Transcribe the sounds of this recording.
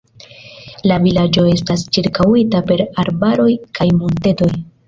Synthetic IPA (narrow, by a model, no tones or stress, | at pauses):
lavilad͡ʒo̞e̞stast͡ʃiɾkawitape̞ɾaɾbaɾo̞jkʰajmulte̞to̞j